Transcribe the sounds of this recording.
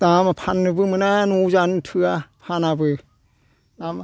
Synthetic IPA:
damapʰanːɯbɯmɯnanuzanɯntʰɯapʰanabɯ | nama

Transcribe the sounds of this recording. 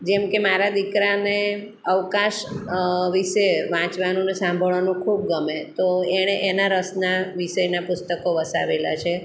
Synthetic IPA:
d͡ʒɛmkemaɾad̪ikɾane | əʋkãʃ | ʋiʃeʋãt͡ʃʋanũnesãmbʱəɭʋanũkʰub̚ɡəmet̪oeɽ̃eʔenaɾəsnaʋiʃəjnapʊst̪əkoʋəsa̰ʋela̰t͡ʃʰe

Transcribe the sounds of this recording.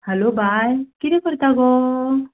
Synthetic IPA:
hɛlobʱajkid̪ekɔɾt̪aɡo

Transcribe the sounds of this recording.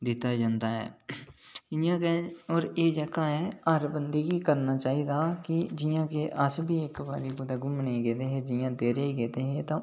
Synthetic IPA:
d̪ɪt̪aːd͡ʒãːnd̪aːɦɛ̰ː | ɪjãːkeɔːɾeːd͡ʒəːkaːɦɛːəɾbənd̪iɡiːkəɾnaːt͡ʃaːiːd̪aːkɪd͡ʒɪjãːkeːʔəsbʱiːɪkba̰ːɾiːɡʊd̪aːɡʊmnẽːɡeːt̪eːɦẽːd͡ʒɪjãːd̪eːɾeːɡeːt̪eːɦẽːt̪ãː

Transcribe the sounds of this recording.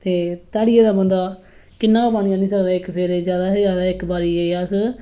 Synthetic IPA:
t̪eːt̪aːɽɪeːd̪aːbənd̪aː | kɪnːãːbaːɽ̃nijãːnĩːs̬əkd̪aːɪkpʰɪɾeːzjaːd̪aːɦezjaːd̪aːɪkbaːɾiːeːas

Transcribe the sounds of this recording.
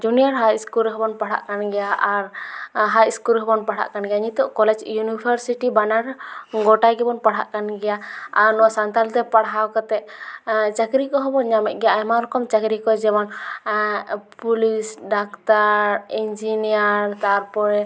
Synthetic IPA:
d͡ʒunijaɾɦajskulɦɔbɔnpaɽ̤a̰ʔkanɡɛjaʔaɾɦajskulɦɔbɔnpaɽ̤a̰ʔkanɡɛjaɲit̪ɔʔkɔlɛd͡ʒjunibʰʱaɾsiʈibanaɾɡɔʈajɡɛbɔnpaɽ̤a̰ʔkanɡɛjaaɾnɔaʔsant̪alt̪ɛpaɽɦawkat̪ɛʔ̚t͡ʃakɾikɔɦɔbɔnɲamɛt̪ʔ̚ˀɡɛjaɛjmaɾɔkɔmt͡ʃakɾikɔd͡ʒɛbɔn | pulisɖakt̪aɾind͡ʒinijaɾt̪aɾpɔɾɛ

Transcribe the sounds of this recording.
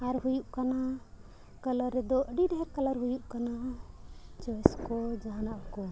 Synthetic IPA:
aɾɦujuʔkana | kalaɾːɛd̪ɔʔɖiɾɦɛɾkalaɾɦujuʔkana | t͡ʃɔɛskɔd͡ʒaɦnaʔkɔ

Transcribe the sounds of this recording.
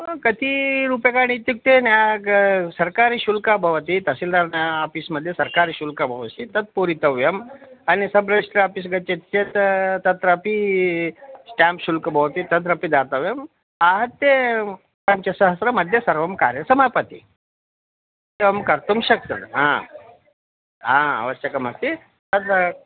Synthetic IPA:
kɐt̪iɾupekaɳ̃iːt̪juk̚t̪enja | sɐɾkaɾiɕulkabʱɐʋt̪it̪ɐsild̪aɾnjaːfismɐd̪ʱjesɐɾkaɾiɕulkabʱɐʋsit̪ɐt̪̚puɾit̪ɐʋjɐmanisɐbɾəʂʈɾɐapis̬ɡɐt͡ʃet̪t͡ʃet̪t̪ɐt̪ɾəpi | sʈampɕulkɐbʱɐʋt̪it̪ɐt̪̬ɾɐpid̪at̪ɐʋjɐm | aɦɐt̪ːe | pɐɲt͡ʃɐsɐɦəsɾɐmɐd̪ʱjɐsɐɾʋɐmkaːɾjɐsɐmapɐt̪ḭ | t̪ɐʋɐmkɐɾt̪umɕɐk̚t̪ɐɦã̰ | ɦãɐ̰ʋɐɕjɐkɐmɐst̪i | t̪ɐt̪

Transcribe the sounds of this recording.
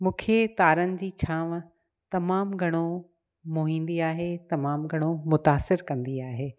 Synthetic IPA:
mũːkʰet̪aːɾənɪ̆d͡ʑiːt͡ɕʰãːʋ | t̪ɐmaːmɡʱɐɽ̃o | moːɦĩːnd̪iaːɦet̪ɐmaːmɡʱɐɽ̃omʊt̪aːsɪɾkɐ̃nd̪iaːɦeː

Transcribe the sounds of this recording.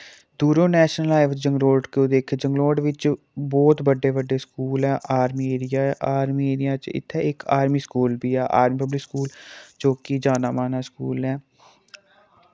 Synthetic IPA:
d̪uːɾõːnɛːʃnəlaːɪʋd͡ʒəŋɡloːɖkoːd̪eːkʰed͡ʒəŋɡloːɖʋɪt͡ʃ | bɔːt̪bəɖːeːbəɖeːskuːlɛːʔaːɾmiːeːɾɪjaːʔaːɾmiːeːɾɪjãːt͡ʃɪ̰t̪ʰːɛːɪkaːɾmiːskuːlbiːɛːʔa̰ːɾmiːpəblɪkskuːld͡ʒoːkiːd͡ʒaːnaːmaːnaːskuːlɛː

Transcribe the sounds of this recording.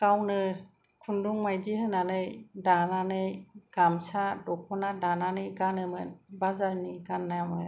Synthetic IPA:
kawnɯ | kʰunduŋmajziɦɯnanɯjdananɯjɡ̥amsadɔk̚ɔnadananɯjɡanɯmɯnbazaɾniɡanːajamɯ

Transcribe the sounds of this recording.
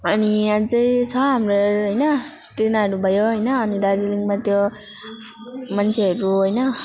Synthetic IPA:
ʌniad͡zʌjt͡sʰʌɦamɾoɦʌjnʌ | t̪enaɽubʱajoɦʌjnʌːnid̪aɾiliŋmat̪jo | mʌnt͡sʰeʌɾuɦʌjnʌ

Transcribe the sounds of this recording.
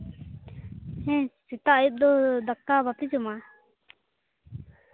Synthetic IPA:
hɛ̃sit̪aʔjut̪̚d̪ɔd̪ak̚t̪abap̪id͡ʒuma

